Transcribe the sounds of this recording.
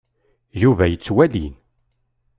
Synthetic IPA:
juvæjət͡sːwælḭn

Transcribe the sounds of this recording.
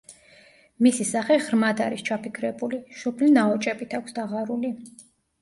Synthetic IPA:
misisaχɛʁɾmad̪aɾist͡ʃʰapikʰɾɛbuliʃupʰlinaɔt͡ʃʼɛbit̪ʰakʷʰsd̪aʁaɾuli

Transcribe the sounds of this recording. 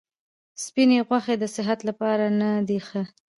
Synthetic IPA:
spineɣwaxed̪əsɪɦat̪lapɑɾanad̪ixə

